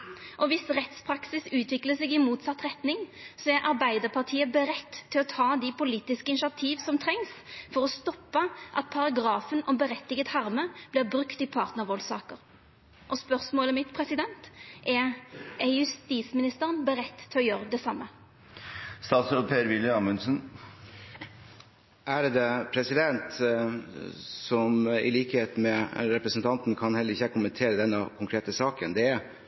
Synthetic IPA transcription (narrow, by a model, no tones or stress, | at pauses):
ʔɔʋɪsʁɛt̪spʰɾɑksɪsʉːt̪ʰʋɪkləsɛɡɪmuːt̪sɑt̪ːʁɛt̪nɪŋsɔɛɾʔɑʁbæɪd̪əʁpʰɑʁt̪ʰiːəbəɾɛt̪ʰːɪlɔt̪ʰɑːd̪ɪpʊliːt̪ɪskəɪnʃɑt̪ʰiːʋsɔmt̪ʰɾɛŋsfɔɾɔst̪ɔpːəʔɑ̰t̪̚pʰɑɾɑɡɾɑːfənʔɔmbəɾɛt̪ːɪɡət̪hɑʁməb̥lɪʁbʁʉkt̪ɪpʰɑʁt̪nəʁʋɔlsɑːkəʁ | ʔɔspœʁsmoːləmɪt̪pʰʁɛsɪd̪ɛnt̪ʔɛɛjʉst̪iːsmɪnɪst̪əʁənbəɾɛt̪ːə̥t̪ʰːɪlɔjøːɾəd̪ɛsɑmːə | st̪ɑːt̪sɾoːd̪̚pʰeːɾʋɪljəɑmʉnsən | ʔæɾd̪ɛpʰɾɛsɪd̪ɛnt̪ | sɔmɪ̰liːkəheːt̪mɛɾɛpɾəsənt̪ʰɑnt̪nkʰɑnhɛlːəɾɪçːəkʊmənt̪ʰeːɾəd̪ɛnːɑkʰʊŋkʰɾeːt̪əsɑːkənd̪ɛæ